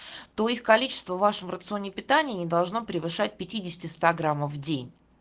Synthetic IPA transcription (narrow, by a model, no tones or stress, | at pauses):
t̪o̞ixkɐlʲit͡ɕɪ̥st̪vəvːaʂəmrət̪sɨo̞nʲːɪpʲɪt̪anʲɪːnʲɪd̪ɐlˠʐno̞pɾʲɪvɨʂat̚ʲpʲɪtʲidʲɪsʲɪ̥tʲɪst̪aɡɾamːəfːdʲenʲ